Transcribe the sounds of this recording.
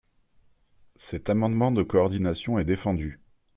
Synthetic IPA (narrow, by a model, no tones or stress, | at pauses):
sɛt̪amɑ̃d̪mɑ̃d̪əkɔːʁd̪inasjɔ̃ɛd̪efɑ̃d̪y